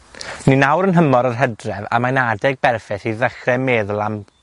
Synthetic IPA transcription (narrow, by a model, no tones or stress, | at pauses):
ninawɾənɦəmɔɾərɦɛdrɛva̰manadɛɡ̚bɛrfɛθiðəχrɛmeðlˠam